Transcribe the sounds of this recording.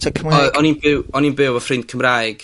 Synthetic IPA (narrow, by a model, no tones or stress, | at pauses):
tʰakʰəmɔɔninb̥ɪwɔninbɪwəfrɪnd̥̚kʰəmrajɡ̥